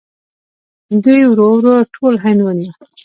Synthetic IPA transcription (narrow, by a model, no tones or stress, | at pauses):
d̪ujwɾowɾoʈʰolɦanwana